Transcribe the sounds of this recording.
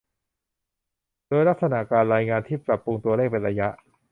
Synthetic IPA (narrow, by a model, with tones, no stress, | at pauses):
doː˧jla˦˥k̚sa˧na˧˩kaː˧nɾaː˧jŋaː˧nt̪ʰiː˥˩pɾa˨˩pːɾu˧ŋt̪u˧ɐleː˥˩k̚pe˧nɾa˧ja˦˥ʔ